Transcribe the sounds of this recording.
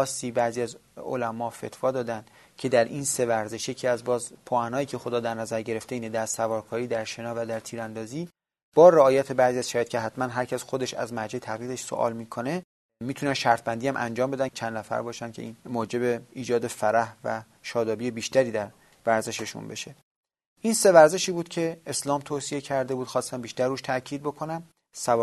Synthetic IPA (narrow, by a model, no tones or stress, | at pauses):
ɒːsːiːbæɾziːæzo̰læmɒːfe̞̰t̪ʰvɒːd̪ɒːd̪ænd̪ | cʰe̞d̪æɾʔiːnse̞væɾze̞ʃje̞cʰiːæzbɒːzpʰoænɒːjiːcʰe̞xo̞d̪ɒːd̪æɾnæzæɾɟeɾe̞ft̪eiːned̪æɾsævɒːɾkʰɒːɾiːd̪æɾʃe̞nɒːvæd̪æɾt̪ʰiːɾænd̪ɒːziː | b̥ɒːɾeɒːjæt̪ʰe̞bæɾziæz̥ʃæjt̪̚cʰeɦæt̪mænɦæɾcʰæsxo̞d̪e̞ʃæ̰zmæɾd͡ʒæt̪ʰæɣliːd̪eʃso̰ʔɒ̰ːlmiːkʰo̞ne̞ | miːt̪ʰunænʃæɾt̪̚ʰbænd̪iːæmʔæ̰nd͡ʒɒːmbe̞d̪ænt͡ʃʰænnæfæ̰ɾbɒːʃænkʰʲcʰe̞ʔiːnmoːd͡ʒe̞beiːd͡ʒɒːd̪e̞fæɾæhvæ̰ | ʃɒːd̪ɒːbije̞biːʃt̪æɾiːd̪æɾ | væɾze̞ʃeʃṵnbe̞̰ʃe | ʔiːnse̞væɾze̞ʃiːbuːd̪cʰe̞eslɒːmt̪ʰoːsije̞cʰæɾd̪e̞buːd̪̥xɒːst̪æmbiːʃt̪æɾːuːʃt̪ʰæcʰiːd̪̚bo̞kʰo̞næm | sæv